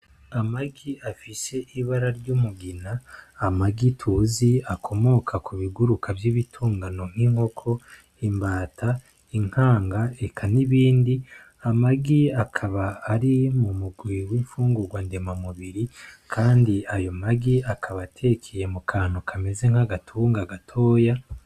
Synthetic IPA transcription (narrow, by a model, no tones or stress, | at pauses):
amaɡiafise̞ʔiβaɾaɾɟumuɡinaːmaɡitʰuːziakʰo̞mo̞kʰakuβiɡuɾukʰavjiβitʰuːŋɡano̞ŋ̥hiŋho̞kʰo̞ | imbaːtʰa | iŋ̥haːŋɡaekʰaniβiːndi | amaɡiakʰaβaːɾimumuɡwiwiɱfuːŋɡuɡwande̞mamuβiɾikʰaːndiajo̞maɡiakʰaβatʰe̞kʰeje̞mukʰaːn̥ukʰame̞ze̞ŋhaɡatʰuːŋɡaɡatʰo̞ːja